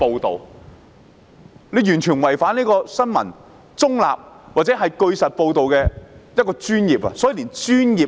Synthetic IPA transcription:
po˧wt̪o̰˨w | le˨˧jyː˨˩nt͡ʃʰyː˨˩nwɐ˨˩jfaː˨˥niː˥kɔː˧sɐ˥nmɐ̰˨˩n | t͡sʊ˥ŋla̰ː˨p̚ | waː˨t̚t͡sɛ˨˥ɦɐ˨jkɵ˧ɥsɐ˨t̚po˧wt̪o˨wkɛː˧jɐ˥t̚kɔː˧t͡ʃyː˥njiː˨p̚ɐ̰˧sɔː˨˥ji˨˧liː˨˩nt͡ʃyː˥njiː˨

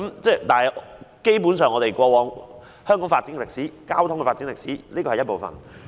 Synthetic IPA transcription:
ɐ˦mt͡sɛː˥˧t̪aː˨nhɐ˨˩ke˥jp̬uː˨˥nsœː˨ŋɔː˨˧t̪e˨jkʷɔː˧wɔː˨˧ŋ | hœː˥ŋkɔː˨˥ŋfaː˧t̚t͡siː˨˥nɛ˨lɪ˨k̚siː˨˥kaː˥wt̪ʰʊ˥ŋkɛ˨˧faː˧tt͡si˨˥lɪ˨k̚siː˨˥liː˥kɔː˧hɐ˨jɐ˥t̚po˨˩wfɐ̰˨n

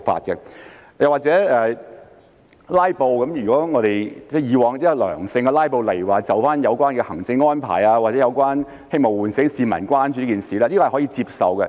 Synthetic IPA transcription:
fa̰ː˨t̚kɛ˧jɐ˨waː˨k̚t͡sɛː˨˥ɛː˨ | laː˥jpo˨˧wkɐ˨˥mjyː˨˩kɔː˨˥ŋɔː˨˧ɾe˨jt͡sɛ˥˩jiː˨˧wɔː˨˧ŋt̪i˥lœ̰ː˨˩ŋsɪ˧ŋɡɐ˧laː˥jpo˨˧wlɐ˨˩jwaː˨˩t͡sɐ˨wfaː˥njɐ˨˧wkʷaː˥nkɛ˧hɐ˨˩ŋt͡sɪ˧ŋːɔː˥npʰa̰ː˨˩jaː˧waː˨t̚t͡sɛː˨˥jɐ˨˧wkʷaː˥n | hɪ˥ŋmo˨wuː˨nsɪ˨˥ŋsiː˨˧mɐ̰˨˩nkʷaː˥nt͡ʃyː˧˦i˥kiː˨˩nsiː˨lɛː˥li˥kɔː˨˧˨hɔ˨˥jiː˧t͡si˧p̚sɐ˨wkɛ˧

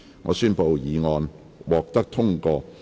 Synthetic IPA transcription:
ŋɔː˨˧syː˥npo˨˧wjiː˨˧ŋɔː˧n | wɔː˨k̚t̪ɐ˥k̚t̪ʰʊ˥ŋkɔː˧

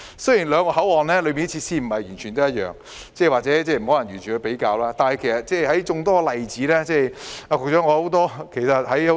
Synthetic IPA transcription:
sɵ˥jiː˨˩nlœː˨˧ŋkɔː˧hɐ˨˥wɔː˨nlɛː˥lɵ˨˧˥miː˨˧n˥t͡ɕʰiː˧t̚siː˥m̩˨˩hɐ˨jyː˨˩nt͡ʃʰyː˨nt̪o˥jɐ˥t̚jœ̰ː˨˩ŋ | t͡sɛː˥˩waː˨t̚t͡sɛː˨˥t͡sɛː˥˩m̩˨˩ho˨˥lɐ˨˩njyː˨˩nt͡ʃʰyː˨˩kʰə˧pe˨˥jkaː˧wlaː˥t̪aː˨nhɐ˨jkʰe˨˩jsɐ˨t̚t͡sɛː˥˩jɦɐ˨˥jt͡ʃʊ˧ŋt̪ɔː˥˧lɐ˨jt͡siː˨˥lɛː˥t͡sɛː˥˧jaː˧kɔː˧t͡ʃɔː˨˥ŋɔː˨˧ho˨˥wt̪ɔː˥kʰe˨˩jsɐ˨t̚hɐ˨˥jho˨˦

